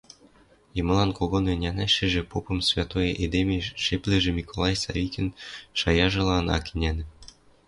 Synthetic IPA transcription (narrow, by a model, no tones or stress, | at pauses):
jemɤ̆lˠɑnkoɣonenʲænæʃɘ̆ʒĕpopɤ̆msvʲɑt̪ojɤʔed̪emeʃeplĕʒĕmʲikʰolˠɑjsɑ̰βʲikʲenʃɑjɑʒɤ̆lˠɑnɑ̰kinʲænɘ̆